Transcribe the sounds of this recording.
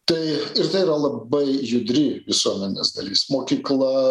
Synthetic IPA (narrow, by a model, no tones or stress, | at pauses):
t̪ɐɪɪɾt̪ɐɪiɾɐlˠɐbɐɪjʊd̪ʲɾʲɪʋʲɪsuɔmʲɛnʲɪsd̪ɐ̰lʲiːsmoːkʲiːklˠɐ